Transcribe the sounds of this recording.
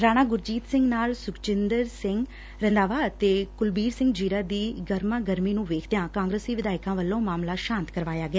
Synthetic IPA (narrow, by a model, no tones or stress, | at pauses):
ɾaːñaːɡʊɾd͡ʒiːt̪sɪ̃ŋɡnaːlsʊkt͡ʃɪnd̪əɾsɪŋɡ | ɾənd̪aːʋaːt̪eːkʊlbiːɾsɪ̃ŋɡd͡ʒiːɾaːd̪iːɡəɾmãːɡəɾmiːnũːʋeːkʰd̪ejãːkãːŋɡɾəsiːʋɪd̪aːɪkãːʋəlːõːmaːmlaːʃãːnt̪kəɾʋaːjaːɡɛaː